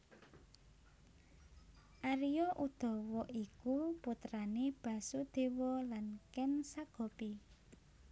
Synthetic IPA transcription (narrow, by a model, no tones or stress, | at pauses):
ʔaɾijɔʔud̪̥ɔ̤wɔʔikuput̪ɾaneb̥a̤sud̪̥e̤wɔlankɛnsaɡ̥ɔ̤pi